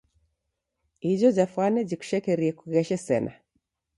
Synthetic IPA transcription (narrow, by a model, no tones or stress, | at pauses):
id͡ʒɔd͡ʒafwanɛd͡ʒiku̥ʃɛkɛɾiɛkuɣɛʃɛsɛ̰na̰